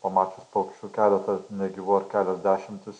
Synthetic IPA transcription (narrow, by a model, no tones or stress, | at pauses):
pɐmɑːt͡ʃʲʊspoːkt͡ʃʲuːkʲæːlʲɛt̪ɐnʲɛɡʲɪʋoːɾkʲæːlʲɛzʲd̪ʲæːʃʲɪmʲt̪ʲɪs